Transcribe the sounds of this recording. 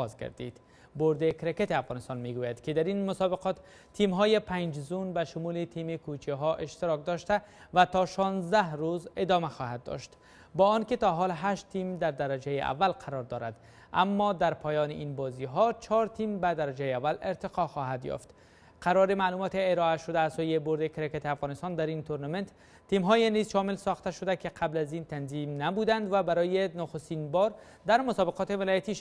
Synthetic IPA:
ɒzɡa̰ɾd̪ḭd̪̥ | boɾd̪ekɾeket̪iafɣɒnɪst̪ɒnmeɡujad̪kɪd̪aɾinmʊsɒbɪqɒt̪ːʰ | imɦɔjepʰaɲd͡ʒzunbaʃʊmuːlet̪ʰimikut͡ʃʰiɦɔʔeʃt̪ɪɾɒk̚d̪ɒʃt̪a | vat̪ɒʃɒnzd̪ahɾuzed̪ɒmaxɒhad̪̚ːɔ̰ʃt̪ | bɒɔnkɪt̪ɒɦɒlɦaʃt̪ːimd̪aɾd̪aɾad͡ʒajeʔa̰vːalqʰaɾɔɾd̪ɒɾa̰d̪ | a̰mːɒd̪aɾpʰɒːjɒːneʔinbɒziɦɒt͡ʃʰɒɾt̪ʰimbad̪aɾad͡ʒajeavːaleɾt̪ɪqɒxɒɦad̪jɒ̰ft̪ | qʰaɾɒɾemaːluːmɒt̪eːɾɒaʃod̪aːzsojeboɾd̪ekɾeket̪eafɣɒːnɪst̪ɒnd̪aɾint̪oɾnament̪ː | imɦɔjenizʃɒmɪlsɒxt̪aʃod̪akeqʰablazint̪anzimnabud̪and̪vabaɾɔjenʊxost̪inbɒɾ | d̪aɾmʊsɒbeqɒːt̪evɪlɒjat̪iʃ

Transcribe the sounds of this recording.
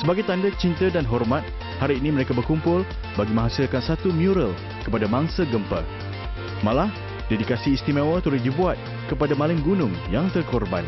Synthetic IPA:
səbaɡajt̪andat͡ʃint̪ədanɦɔrmãt̪̚ | haɾiːnĩməɾekabərkumpʊl | baɡimãɦasilkansat̪umjuɾəl | kəpadamãŋsaɡəmpə̰ | mãlah | dedikasiːst̪imãwət̪əɾʊt̪̚dibuat̪̚ | kəpadamãlɪmɡunʊŋjaŋt̪ərkɔrba̰n

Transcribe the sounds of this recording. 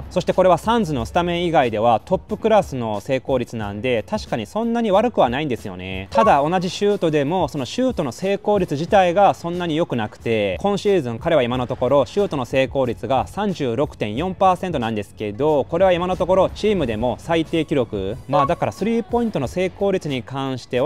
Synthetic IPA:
so̞ɕi̥t̪e̞koɾe̞β̞asãnd͡zɨno̞sɨ̥t̪amẽ̞ɰ̃iɡaid̪e̞β̞at̪o̞pːɯ̟kɯ̟ɾasɨno̞se̞ːko̞ːɾʲit͡sɨnã̰nd̪e̞t̪aɕi̥kaɲ̟isõ̞nːaɲ̟iβaɾɯ̟kɯ̟β̞anaĩnd̪e̞sɨjo̞̰ne̞̰t̪ad̪ao̞naʑiɕɨːt̪o̞d̪e̞mo̞so̞noɕɨːt̪o̞no̞se̞ːko̞ːɾʲit͡sɨʑit̪aiɡasõ̞nːaɲ̟ijo̞kɯ̟nakɯ̟̥t̪e̞kʰõ̞ɰ̃ɕiːzɨ̃ŋkaɾe̞βaimano̞t̪o̞ko̞ɾo̞ɕɨːt̪o̞no̞se̞ːko̞ːɾʲit͡sɨɡasãɲ̟d͡ʑɨːɾo̞kɯ̟̥t̪ẽ̞ɰ̃jõ̞mpaːsẽ̞nt̪oãnd̪e̞sɨ̥ke̞d̪o̞ko̞ɾe̞β̞aimano̞t̪o̞ko̞ɾo̞t͡ɕiːmɯ̟d̪e̞mo̞sait̪e̞ːkʲiɾʲjo̞kɯ̟̰maːd̪akaɾasɨɾʲiːpo̞ĩnt̪o̞nose̞ːko̞ːɾʲit͡sɨɲ̟ikãɰ̃ɕi̥t̪e̞

